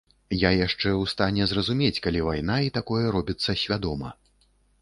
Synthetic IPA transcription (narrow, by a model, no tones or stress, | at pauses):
jajaʂt͡ʂɛwst̪anʲɛzrɐzumʲet͡sʲkalʲivajnait̪akɔjɛɾɔbʲit̪sːɐsʲvʲad̪ɔmɐ̰